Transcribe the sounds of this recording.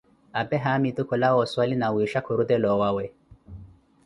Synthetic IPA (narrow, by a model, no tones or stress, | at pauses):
abɛɦamit̪ukɔlawɔsalinawiʃakʰuɾud̪ɛlɔwawɛ